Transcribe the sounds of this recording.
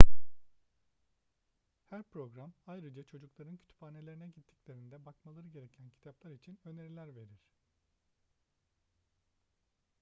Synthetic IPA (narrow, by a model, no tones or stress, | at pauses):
hæɾpɾo̞ɡɾamajɾɯd͡ʒat͡ʃʰo̞d͡ʒuklˠaɾɯncʰy̥t̪ʰy̥paːne̞lʲe̞ɾinɛɟit̪ʰːi̥clʲe̞ɾind̪ɛbakmalˠaɾɯɟe̞ɾecʰæncʰi̥t̪ʰaplˠaɾit͡ʃʰinø̞ne̞ɾilʲæɾve̞ɾiɾ̥